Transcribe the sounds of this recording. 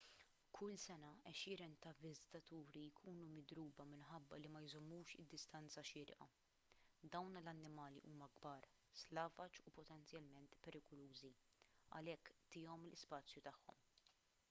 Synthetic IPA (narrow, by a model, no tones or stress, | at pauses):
kʰʊlsɛnɐɛʃɪːɾɛnt̪ɐvɪzɪt̪ɐt̪uːɾijkʰuːnumɪd̪ɾuːbɐmɪnħɐbːɐlimɐjzɔmːuːʃɪ̰d̪ːɪst̪ɐnt͡sɐʃɪːɾ̰ʔɐ̰ | d̪ɐwnlɐnːɪmɐːliʔuːmɐɡbɐːɾ | slɐːvɐt͡ʃupɔt̪ɛnt͡sjɐlmɛnt̪pɛɾɪkɔluːzi | ɐ̰lɛkːt̪ɪːɔmlɪspɐːt͡sjut̪ɐħːɔ̰m